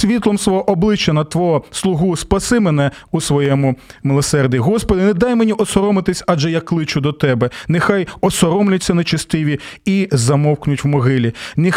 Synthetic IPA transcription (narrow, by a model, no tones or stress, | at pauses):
sʲʋʲit̪lˠɔmsʋɔɦɔʔɔblˠɪt͡ʃːɐnɐt̪ʋɔɦɔslˠʊɦuspɐsɪmenɛusʋɔjɛmʊmɪlˠɔsɛrd̪ʲʋʲiɦɔspɔd̪ɪnɛd̪ɑjmenʲiʔɔsɔɾɔmɪt̪ɪsʲaʒɛjɐkːlˠɪt͡ʃʊd̪ɔt̪ɛbɛnɪxɑjɔsɔɾɔmlʲʊtʲt͡sʲːɐnet͡ʃɐst̪ɪʋʲiizɐmɔwknʊtʲwmɔɦɪlʲinɪ